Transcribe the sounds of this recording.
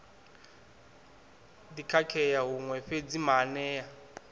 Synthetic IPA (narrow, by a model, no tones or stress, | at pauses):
dikʰakʰɛjaɦuŋwɛɸed͡zimanɛːa